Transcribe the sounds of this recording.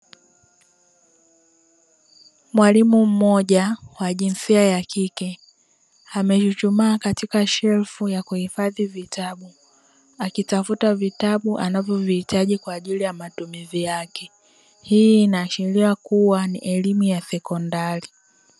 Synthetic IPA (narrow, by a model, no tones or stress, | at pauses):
mwalimum̩mɔʄawaʄinsiajakikɛ | amɛʃut͡ʃumaːkatikaʃɛlfujakuhifaðivitʰaɓu | akitafutavitaɓuʔa̰navjɔvihitaʄikwaːʄilijamatumizijakɛ | hiːnaːʃɛɾiakuwanḭʔɛlimujasɛkɔndaɾi